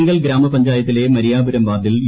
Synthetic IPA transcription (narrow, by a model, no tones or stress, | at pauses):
ŋɡɐɭɡɾaːmɐpɐɲd͡ʑaːjɐt̪ːile̞mɐɾijaːbuɾɐmʋaːd̪ilj